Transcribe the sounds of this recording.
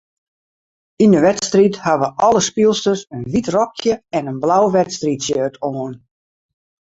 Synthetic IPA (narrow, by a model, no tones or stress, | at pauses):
indəʋɛtstrithaʋəʔɔləspilˠstəsənʋitrɔkʰjəɛnənblawʋɛtstritsjøːtʰoːən